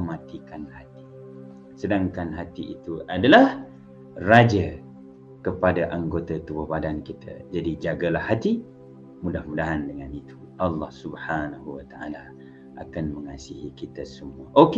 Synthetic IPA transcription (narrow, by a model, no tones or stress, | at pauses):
mãt̪ikanhat̪i̥ | sədaŋkanɦat̪iʔit̪uʔadalah | rad͡ʒa | kəpadaʔaŋɡot̪at̪uəhbadankit̪ʰa̰d͡ʒadid͡ʒaɡalahːat̪i | mudahmudaɦandəŋanit̪u̥ | ʔɑlːɑhsubhanaɦuwət̪aʔa̰la | ʔakanməŋasiɦikit̪asəmuaʔok